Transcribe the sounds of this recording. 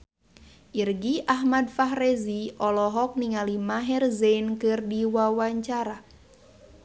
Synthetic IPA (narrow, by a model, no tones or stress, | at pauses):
ʔirɡiʔaɦmad̚faɦrɛziʔɔlɔɦɔk̚niŋalimaɦɛrzeinkɨrdiwawaɲt͡ʃaɾa